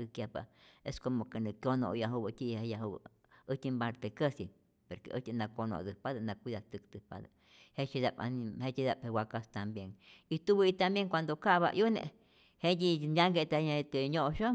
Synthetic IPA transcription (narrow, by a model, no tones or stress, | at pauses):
ɨkjapa̰eskomokenɨkjʲono̰ʔjaɦubət̪ʲiejaɦubə̰ | ət̪ʲimbaɾt̪ekəsi | peɾkḛʔə̰t̪ʲinakono̰d̪ɨpaðanakʷiðat̪ɨk̚d̪ɨpa̰d̪a̰ | het͡ʃid̪apa̰nhet͡ʃid̪aphewakast̪ambjeŋit̪ubəit̪ambjeŋkʷand̪okaβa̰ʔjunḛʔ | hejʲinʲaŋɡet̪et̪eɲoʔʃo